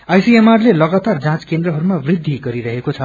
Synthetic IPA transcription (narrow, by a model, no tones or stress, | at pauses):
ajsiemarlelʌɡat̪ard͡zãt͡skend̪rʌɦʌɾumabrid̪ʱːiɡʌɾiɾʌɦekot͡sʰʌ